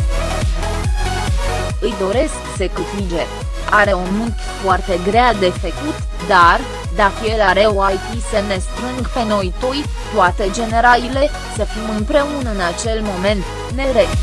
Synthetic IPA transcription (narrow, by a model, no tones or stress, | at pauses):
ɨjd̪o̞ɾe̞sksəkɨt̪id͡ʒe | aɾe̞omunt̪ | foart̪e̞ɡɾead̪e̞fekut̪ | d̪ar | d̪afielaɾe̞oalt̪isəne̞st̪ɾɨŋɡpe̞no̞jt̪oj | t̪uat̪ed͡ʒe̞ne̞ɾalile̞ | səfimɨnpɾe̞unəɨnat͡ʃe̞lmo̞me̞nt̪ | ne̞ɾe